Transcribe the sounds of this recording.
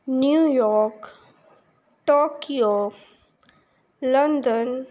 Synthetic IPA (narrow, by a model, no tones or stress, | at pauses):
njujɔɾk | ʈokio | lənd̪ən